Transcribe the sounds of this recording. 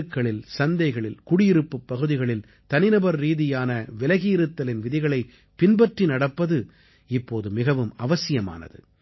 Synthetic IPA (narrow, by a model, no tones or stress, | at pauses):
ɯkːɐɭɪlsɐnd̪ɐɪɣɐɭɪlkʊɽɪjɪɾɯpːɯpːɐɣɯðɪɣɐɭɪl | t̪ɐnɪnɐbɐɾːiːðɪjaːnɐʋɛlɐɣiːɾɯt̪ːɐlɪnʋɪðɪɣɐɭɐɪ | pɪnbɐʈrinɐɽɐpːɐðɯ | ɪpːoːðɯmɪɣɐʋɯmɐʋɐsɪjɐma̰ːnɐ̰ðɯ̰